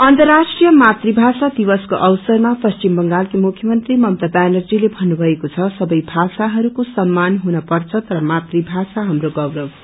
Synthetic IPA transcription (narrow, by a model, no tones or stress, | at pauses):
ʌnt̪ʌrːasʈrijʌmat̪ribʱasad̪ibʌskoʔʌwsʌrmapʌst͡ʃimbʌŋɡalkimukʰjʌmʌnt̪rimʌmt̪ʌbanʌrd͡zilebʱʌnːubʱʌekot͡sʰʌsʌbʌjbʱasaɦʌɾukosʌmːanɦunʌpʌrt͡sʰʌt̪ʌɾʌmat̪ribʱasaɦamɾoɡʌwɾʌw